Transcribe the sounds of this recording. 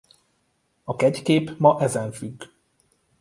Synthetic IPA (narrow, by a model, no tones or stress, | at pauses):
ɒkɛckeːpmɒʔɛzɛɱfyɡː